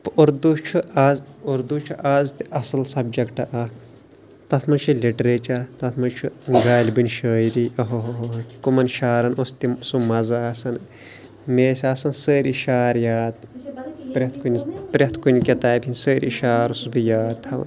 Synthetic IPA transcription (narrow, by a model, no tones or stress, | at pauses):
poɾd̪ut͡ʃʰuazoɾd̪ut͡ʃʰuʔaːzt̪iʔɐsɐlsɐb̚d͡ʒɐkʈɐʔɐk | t̪ɐt̪ʰmɐnt͡ʃʰulʲiʈɾeːt͡ʃɐɾt̪ɐt̪ʰmɐnt͡ʃʰuɡaːlʲbɨnʲʃəːjɾiɐɦoɦoɦoki̥kumɐnʃaːɾɐnost̪isumɐzaːsɐn | meːsʲaːsɐnsəːɾʲiʃaːɾjaːt̪pɾʲet̪ʰkunʲpɾet̪ʰkunʲkʲɐt̪aːpʲʰinsəːɾḭʃaːɾusbijaːt̪ʰɐʋ̰